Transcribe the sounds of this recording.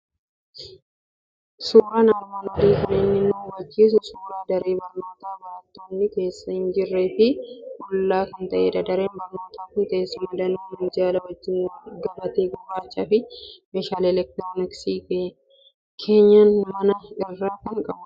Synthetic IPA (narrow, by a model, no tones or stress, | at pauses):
suːɾaːnɐɾmaːnɐd̪iːkʊleːnːɪnːowɐd͡ʒːiːs̬ʊsuːɾaːd̪ɐɾeːbɐɾmaːt̪aːbɐɾɐt̪ːoːnːɪke̞ːsːɐhɪnd͡ʒɪrːeːfɪʔɔlːaːkɐnt̪ɐʔeːᶑɐd̪ɐɾeːnbɐɾmaːt̪aːfɪnt̪ɐʔeːsʊmɐd̪ɐnɪnɪnd͡ʒaːlɐwɐd͡ʒːɪnːɡɐmɐt̪eːɡʊbaːt͡ʃʼːɐːfɪmeːʃaːlɛlɛk̚t̪ɾonɪksiːkː | kʰe̞ːɲːɐnmɐnɐɪrːaːkɐŋkʼɐbʊ